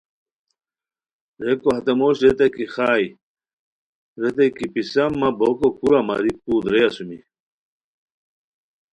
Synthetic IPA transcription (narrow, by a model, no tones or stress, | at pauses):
ɾekoɦɐt̪emoːɕɾet̪ɐkixaːj | ɾet̪ɐjkipisɐmːɐbokokuɾamɐ̰ɾikuːd̪ɾeɐsumḭ